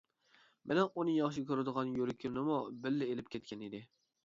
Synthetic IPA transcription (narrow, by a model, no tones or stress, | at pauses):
mɪnɛunɨjɑχʃ̬ɪkʲʰøɾɪd̪əʁɑnjoɾɪkʲʰynɪmubɪlːɪelɪp̚kʲʰɛt̪ʲkʲʰɛnid̪ɪ